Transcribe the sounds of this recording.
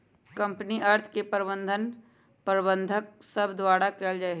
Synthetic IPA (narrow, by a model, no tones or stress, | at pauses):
kɐ̃mpniʔɐɾt̪ʰkepəɾbə̃nd̪ʱən | pəɾbə̃nd̪ʱək̚səbd̪waːɽakeːld͡ʒaːe